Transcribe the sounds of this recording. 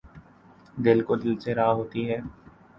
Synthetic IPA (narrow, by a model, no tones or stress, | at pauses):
d̪ɪlkod̪ɪlseɾaːɦoːt̪iɦɛː